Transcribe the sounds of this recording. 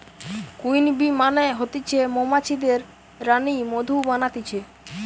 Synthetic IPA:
kujnbimaneɦot̪it͡ɕʰemomat͡ɕʰid̪eɾː | animod̪ʱubanat̪it͡ɕʰe

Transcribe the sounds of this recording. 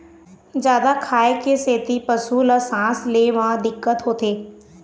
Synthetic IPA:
d͡ʒjaːd̪akʰaːekeseːt̪ipəsuləsãːsleʋə̃ɦd̪ɪkːət̪ɦoːt̪eː

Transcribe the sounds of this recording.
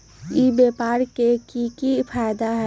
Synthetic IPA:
ibeːpaːɾkekikipʰaːjd̪aɦɛ

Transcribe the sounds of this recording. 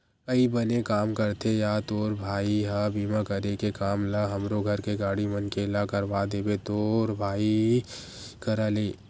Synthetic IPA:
kəibənekaːmkɐɾt̪ʰejaːt̪oːɾbʱaːiɦabʱiːmakɐɾekekaːmlaɦɐmɾoɡʱɐɾkeɡaːɽimɐnkelakɐɾʋad̪eːbet̪oːɾbʱaːi | kəɾaleː

